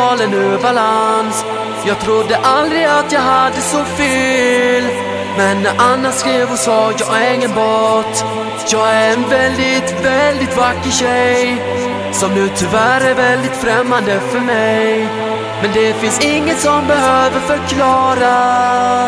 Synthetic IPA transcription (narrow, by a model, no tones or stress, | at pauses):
ɑːlənʉbalans | jɑːɡ̚t̪ʰɾʊd̪ːəʔald̪ɾɪat̪jɑːɡhad̪ːəsɔfeːl | mɛnːʔanːaskɾeːvɔsɑːjɑːɡæɾɪŋːənboːt̪ | jɑːɡææɾɛnvɛld̪ɪt̪vɛld̪ɪt̪vakːəɕɛj | sɔmd̪ʉt̪ʰʏvæːɾæɾvɛld̪ɪt̪fɾɛmːand̪əfœɾmɛjj | mɛnd̪ɛfɪnsɪŋːənsɔmbɛɦøːvəɾfœɾkʰlɑːɾa